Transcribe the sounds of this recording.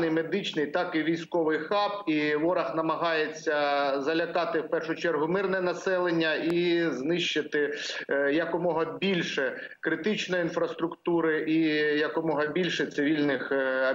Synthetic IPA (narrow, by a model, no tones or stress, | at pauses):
nɪjmed̪ɪt͡ʃnɪjt̪ɑkiʋʲijsʲkɔʋɪjxɑpiʋɔɾɐxnɐmɐɦɑjet͡sʲːɐzɐlʲɐkɑt̪ɪwpɛrʃʊt͡ʃɛrɦʊmɪrnɛnɐsɛlˠenʲːɐiznɪʃt͡ʃːɪt̪ɪjɐkʊmɔɦɐbʲilʲʃɛ | kɾɪt̪ɪt͡ʃnɔjinfɾɐst̪ɾʊkt̪uɾɪʔijɐkɔmɔɦɐbʲilʲʃɛt̪sɪʋʲilʲnɪxɐ